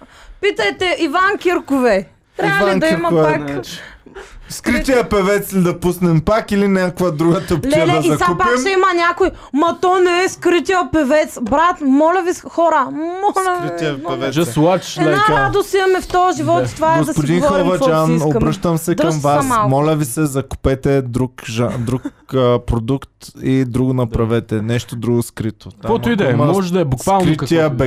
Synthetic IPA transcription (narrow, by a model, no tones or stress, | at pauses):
pit̪ɐjt̪ɛʔivankʲiɾkʊvɛ | t̪ɾʲaɐalid̪ɐiɾmɐa | skɾit̪iəpɛvɛt̪slid̪ɐpusnɛmpakilinʲakvɐd̪ɾuɡət̪əptllɛd̪ɐziɐk̪kupaɛkmɛimɐnʲakojmɐt̪ɔnɛɛskɾit̪iəpɛvɛt̪sbɾat̪mɔlʲɐvixɔɾəmɔlɐit̪iɐɛvɛd͡ʒɐlˠat͡ʃʃɐad̪osiɐmɛft̪ɔɐʒivɔt̪t̪ovaɛɡod̪ɐspʊd̪inxɛvɐd͡ʒanobɾɤʃt̪ɐmsɛkɐmvassamɔlʲɐvisɛzɐkʊ̥pɛt̪ɛd̪ɾukʒad̪ɾukəpɾod̪ukt̪id̪ɾuɡʊnɐpɾɐvɛt̪ɛnɛʃt̪od̪ɾuɡʊskɾit̪oakɔt̪ʊid̪ɛmmɔʒɛd̪ɐɛbʊvalˠkɾit̪iəbɛ